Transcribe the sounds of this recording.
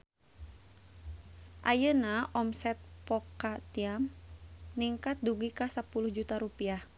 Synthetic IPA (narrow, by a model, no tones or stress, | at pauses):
ʔajənaʔɔmsɛt̪̚pɔkat̪iamniŋkat̪̚duɡikasapuluhd͡ʒut̪aɾupiah